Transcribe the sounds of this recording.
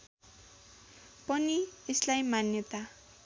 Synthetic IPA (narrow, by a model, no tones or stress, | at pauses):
pʌnieslajmanjʌt̪a